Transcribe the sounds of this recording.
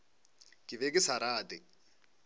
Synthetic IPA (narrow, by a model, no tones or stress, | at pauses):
kʼɪβekɪsaɾaːtɪ